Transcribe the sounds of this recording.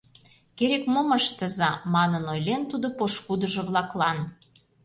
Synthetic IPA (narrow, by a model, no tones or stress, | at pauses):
keɾekmoməʃt̪ə̆zɑmɑnənojlent̪ud̪opoʃkud̪ə̆ʒɤ̆βlɑklɑn